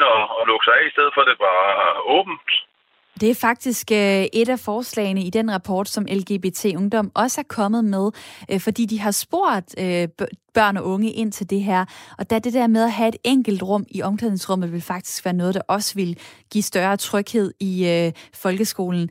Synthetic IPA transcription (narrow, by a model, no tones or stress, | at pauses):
ɒlɔɡ̥sɑ̈ɪɛisd̥eð̞̰ˠfɒd̥e̝b̥ɑ̈ːɔ̰̽ːb̥n̩d̥ | d̥e̝æɐfɑ̈ɡ̥̚d̥isɡ̥øʔe̝ɾæfɒːslɛ̰ːɪnəid̥enʁɑ̈pʰɒ̰ːd̥sɒ̽mʔelɡ̥e̝b̥e̝t͡sʰe̝̰ːɔ̽ŋd̥ɒ̽m̰ɒ̽səæɐkʰɒ̽mð̩ˠmeð̞ˠʔfɒ̽d̥ḭːd̥iɦɑ̈sb̥o̝̰ɐ̰ðˠøb̥ɶɐ̰nɒ̽ʔɔ̽ŋəʔe̝n̰t͡sʰe̝ld̥e̝ɦæɐ̰ɒ̽d̥ææɐd̥e̝d̥ɛɐ̰með̞ˠæɦæe̝d̥eŋ̰ɡ̥l̩d̥ʁɔ̽m̰iʔɒ̽mklɛðˠsʁɔ̽m̰ð̩ˠʋe̝lfɑ̈ɡ̥̚d̥i̥sɡ̥ʋæːɐnɔ̽ːð̞̩ˠd̥ɑ̈ʔɒ̽səʋe̝lɡ̥ḭsd̥ɶɐːt͡sʰʁœɡ̥he̝ð̞̰ˠiøfɒ̽lɡ̥əsɡ̥o̝ːln̩